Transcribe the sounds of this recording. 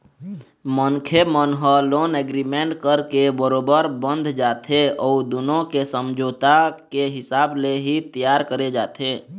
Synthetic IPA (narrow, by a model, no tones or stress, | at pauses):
mənkʰemənɦəloːnɛɡɾimẽɳʈkəɾkebəɾoːbəɾbə̃nd̪ʱd͡ʒaːt̪ʰeɔːd̪ʊnõkesəmd͡ʒʱoːt̪akeɦɪsaːbleɦit̪ijaːɾkəɾed͡ʒaːt̪ʰeː